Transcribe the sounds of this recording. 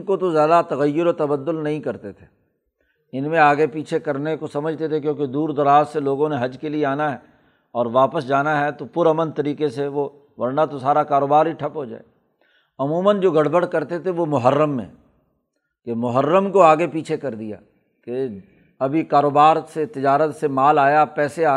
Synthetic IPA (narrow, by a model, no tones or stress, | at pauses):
kot̪ozjaːd̪at̪ɐɣəjːʊɾot̪ɐbəd̪ːʊlnɐɦĩkɐɾt̪et̪ʰe̥ | ɪnmẽaːɡepiːt͡ʃʰekɐɾnekosɐməd͡ʒʱt̪et̪ʰekjõːked̪uːɾd̪ɐɾaːzseloːɡõneɦɐd͡ʒkelieaːnaɦɛ | ɔːɾʋaːpəsd͡ʒaːnaɦɛt̪opʊɾɐmənt̪ɐɾiːkeseʋo | ʋɐɽnat̪osaːɾakaːɾoːbaːɾɦiʈʰɐpɦod͡ʒa̰ːḛ | ɐmuːmənd͡ʒoːɡɐɽ̤bəɽ̤kɐɾt̪et̪ʰeʋomʊɦəɾːəmːḛ̃ | kemʊɦəɾːəmkoaːɡepiːt͡ʃʰekɐɾd̪ija̰ː | ke | ɐbʱikaːɾoːbaːɾset̪ɪd͡ʒaːɾət̪semaːlaːjapɛːseaː